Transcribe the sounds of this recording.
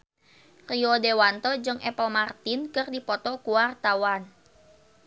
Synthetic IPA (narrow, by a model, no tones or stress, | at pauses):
riɔdewant̪ɔd͡ʒɨŋʔɛpəmart̪inkɨrdipɔt̪ɔkuwart̪awan